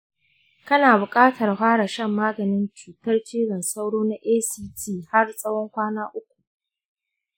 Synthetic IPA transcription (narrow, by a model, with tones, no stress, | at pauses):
kɐ˦naː˨bʊ˨kʼaː˦tʰɐ˨rɦʷaː˦ɽa˨ʃɐ˦˨mːaː˦ɡɐ˨nɪ˦nt͡ʃuː˨tɐ˦rt͡ʃiː˦ɽɐ˨nsa˦wɽoː˦na˦ʔeː˦siː˦tiː˦˨ha˦rsʼɐ˦wɔ˦ŋkʷaː˦naː˦ʔʊ˦kʷu̥˨